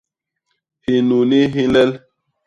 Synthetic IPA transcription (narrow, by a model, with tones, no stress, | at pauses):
hi˨nu˨ni˦ɦi˦lɛ˦l